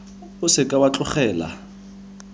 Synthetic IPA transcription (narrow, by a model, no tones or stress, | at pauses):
ʊsɪkʼawat͡ɬʼʊχɛːla̰